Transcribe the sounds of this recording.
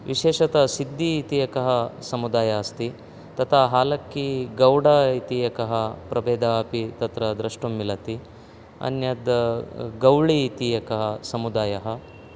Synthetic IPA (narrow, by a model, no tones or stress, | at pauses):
ʋiʃeːʃɐt̪ɐsid̪ːiːt̪iːjɐkɐɦɐsɐmud̪aːjaːɐst̪i | t̪ɐt̪ʰaːɦaːlɐkːiɡɐwɽaːit̪ijɐkɐɦɐpɾɐbeːd̪aːpit̪ɐt̪ɾɐd̪ɾɐʂʈumːilɐt̪i | ɐ̰njɐd̪ɐɡɐwɭiːt̪ijɐkɐɦɐsɐmud̪aːjɐɦɐ